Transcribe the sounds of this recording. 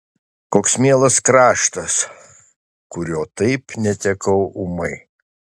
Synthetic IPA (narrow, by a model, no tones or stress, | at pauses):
koːksmʲiɛlˠɐskɾɑːʃt̪ɐs | kʊɾʲoːt̪ɐɪpnʲɛt̪ʲɛkɐʊʔʊmɐɪ